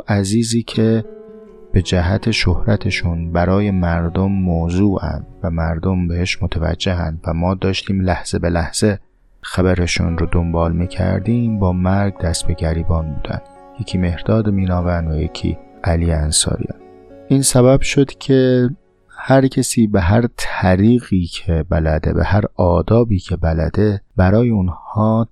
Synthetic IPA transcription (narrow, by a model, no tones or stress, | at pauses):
ʔæziːziːcʰe̞ | b̥e̞d͡ʒæɦæt̪ʰe̞ʃohɾæt̪ʰeʃunbæɾɒːje̞mæɾd̪omːoːzuːʔæ̰nd̪̥væmæɾd̪o̞mbe̞heʃmot̪ʰævæ̰d͡ʒːe̞ɦænd̪væmɒːd̪ɒːʃt̪ʰiːmlæhz̥e̞be̞læhz̥e | xæβæɾeʃṵnɾod̪ombɒːlmiːcʰæ̰ɾd̪iːmbɒːmæɾɡd̪æst̪be̞ɡæɾiːbɒːnbuːd̪æ̰nd̪̥ | je̞cʰiːme̞hɾd̪̥ɒːd̪emiːnɒːvænd̪væjḛcʰḭ | ʔæliːjeænsɒ̰ːɾḭjɒ̰n | ʔiːnsæbæb̥ʃo̞d̪̥cʲʰe̞ | hæɾcʲʰesiːbeɦæɾt̪ʰæɾiːɣiːcʰebælæd̪e̞̰bḛhæɾɒːd̪ɒːbiːcʰe̞bælæ̰d̪e̞bæɾɒːjeunhɒː